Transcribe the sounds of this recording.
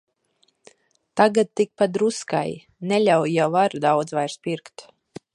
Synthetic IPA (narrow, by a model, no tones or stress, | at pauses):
t̪aɡat̪̚t̪ːik̚pad̪ɾuska̰j | nɛlʲawjavaɾd̪awd̪zvajɾspʲiɾkt̪